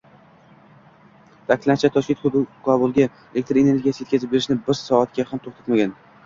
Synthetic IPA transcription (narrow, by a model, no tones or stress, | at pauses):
t̪ʰakʰʲɪ̥lːant͡ʃʰat̪ʰɒʃkʲe̞nt̪kʰɒbʊlˠɡʲa | elek̚t̪ɾe̞ne̞ɾɡʲijasɪjet̪kʲazɪp̚be̞ɾɪʃnɪbɪɾsɒat̪̚ɡʲahamt̪ʰoχt̪ʰḁt̪maɡʲan